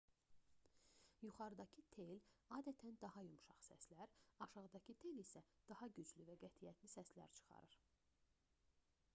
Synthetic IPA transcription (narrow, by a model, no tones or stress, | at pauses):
juχɑɾɯd̪ɑcʰɯt̪ʰe̞jlɑːd̪æt̪ʰænd̪ɑhɑjumʃɑχsæ̰slæɾɑʃɑʁɯd̪ɑcʰɯt̪ʰe̞jlisæ | d̪̥ɑhɑɟyd͡ʒlyvæɡæt̪ʰijæt̪lisæslæ̰ɾt͡ʃʰɯ̥χɑ̰ɾɯɾ̥